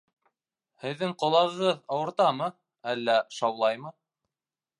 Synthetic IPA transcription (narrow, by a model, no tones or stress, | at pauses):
hɘ̆ðːɘŋqŏlˠɑʁɤ̆ʁɤðɑwɤ̆ɾt̪ɑmɤ | ælːæʃɑwlˠɑjmɤ